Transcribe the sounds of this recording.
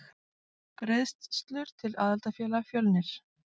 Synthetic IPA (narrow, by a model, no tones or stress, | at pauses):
pɾeðst̪st̪lʏɾ̥t̪ʰɪlaːðalt̪afjɛːlafjœlnɪɾ̥